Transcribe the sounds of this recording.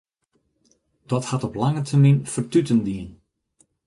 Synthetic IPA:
d̥ɔthatɔplaŋətʰərminfərtytəndiən

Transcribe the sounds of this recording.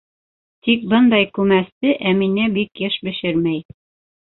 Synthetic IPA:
t̪ik̚bɤnd̪ɑjkʉmæst̪ɘʔæminɘbikjɘʃbɘ̆ʃɘɾmæj

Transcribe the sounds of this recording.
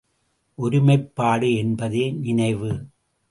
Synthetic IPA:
ʔɔɾɪmɐɪpːaːɽɯɛnbɐðeːnɪnɐɪʋɯ

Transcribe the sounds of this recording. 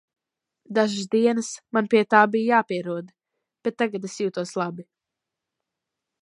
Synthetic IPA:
d̪aʒɨs̬d̪iɛnɨsmanpiɛt̪aːbijjaːpiɛɾuɔd̪ | b̥et̪̚ːaɡad̪esjuːt̪uɔslˠabi

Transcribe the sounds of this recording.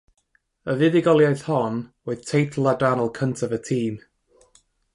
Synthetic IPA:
əvɪðɪɡɔlˠjajθhɔnwɛɨð̥tʰejtʰl̩ˠadanəlˠkʰəntʰəvətʰiːm

